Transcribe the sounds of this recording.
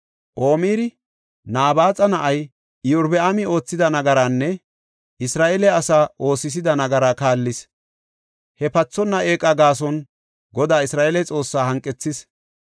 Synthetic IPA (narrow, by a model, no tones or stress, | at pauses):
ʔo̞ːmiːɾɪ | naːbaːt͡sʼɐnɐʔɐj | ɪjʊɾbɛɐmɪo̞ːt͡sːɪd̪ɐnɐɡɐɾanːɛ | ʔɪsɾaːʔelɛɐsaːʔo̞ːsɪs̬ɪd̪ɐnɐɡɐɾakaːlːɪs | hɛpɐt͡sːɔnːɐʔe̞ːkʼɐɡaːs̬ɔn | ɡɔd̪aːɪsɾaːʔelɛt͡sʼo̞ːsːaːɦɐŋkʼːɛt͡sːɪs